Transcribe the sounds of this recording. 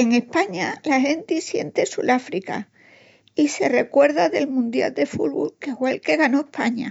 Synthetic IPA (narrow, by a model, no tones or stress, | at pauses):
e̞ŋe̞hpaɲalahe̞nt̪isje̞nt̪e̞sṵlafɾika̰ | ise̞re̞kwe̞ɾðaðe̞lmũnd̪ja̰ld̪e̞fulβṵlke̞fwelke̞ɣano̞ehpʰaɲa